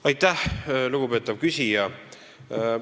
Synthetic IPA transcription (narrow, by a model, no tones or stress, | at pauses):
ɑjt̪ˑːæhluɡ̥upe̞ːt̪ːˑɑvkysʲijɑ